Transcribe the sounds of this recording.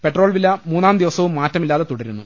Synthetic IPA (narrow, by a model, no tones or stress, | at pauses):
pe̞ʈro̞ːɭʋilːɐmuːnːaːmd̪iʋɐsɐʋumːaːtːɐmilːaːðet̪uɽɐɾunːu